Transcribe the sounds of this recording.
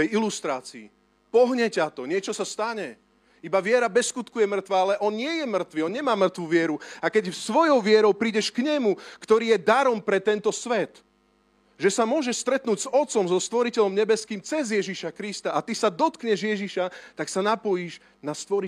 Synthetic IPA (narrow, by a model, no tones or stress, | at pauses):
ɛjilust̪ɾaːt͡siː | pɔɦɲɛcat̪ɔɲɪɛt͡ʃɔsast̪aɲɛ | ibaʋɪɛɾabɛskut̪kujɛmr̩t̪ʋaːalɛʔɔnɲɪɛjɛmr̩t̪ʋiɔnɲɛmaːmr̩t̪ʋuʋɪɛɾuakɛɟfsʋɔjɔʊʋɪɛɾɔʊpɾiːɟɛʃkɲɛmukt̪ɔɾiːjɛd̪aɾɔmpɾɛt̪ɛnt̪ɔsʋɛt̪ | ʒɛsamʊɔʒɛʃst̪ɾɛt̪nuːɟzɔt̪t͡sɔmzɔst̪ʋɔɾicɛʎɔmɲɛbɛskiːmt͡sɛzjɛʒiʃakɾist̪aat̪isad̪ɔt̪kɲɛʒjɛʒiʃat̪aksanapɔjiʒ | nast̪ʋɔɾi